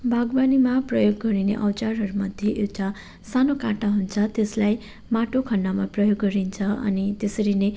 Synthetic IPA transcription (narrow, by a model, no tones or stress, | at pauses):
bʱaɡbanimaprʌjoɡːʌɾinḛʔʌwt͡ʃarɦʌɾumʌd̪ʱjeʔewʈa | sanokãʈaɦunt͡sʰʌt̪eslaj | maʈokʰʌnːamaprʌjoɡːʌɾint͡sʰʌʌ̰nit̪esʌɾine